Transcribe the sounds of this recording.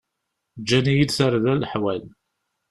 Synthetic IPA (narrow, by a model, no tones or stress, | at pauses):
d͡ʒːænijid̪θəɾðælħwæl